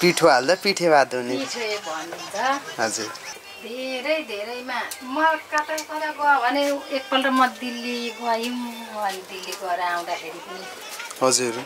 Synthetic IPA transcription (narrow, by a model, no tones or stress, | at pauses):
piʈʰoald̪ʌpiʈʰebad̪uneiʈʰeebʱʌnːunt͡sʰʌɦʌd͡zur | d̪ʱeɾʌjd̪ʱeɾʌjmamʌkat̪akʌɾaɡʌbʱʌneek̚pʌlrʌmʌd̪ilːibʌjum | mʌaled̪ilːiɡʌɾʌaw̃d̪akʰeɾipʌni | ɦʌd͡zuɾ